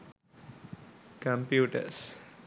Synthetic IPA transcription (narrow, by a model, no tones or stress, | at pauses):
kə̃mpjuːʈə̰ɾs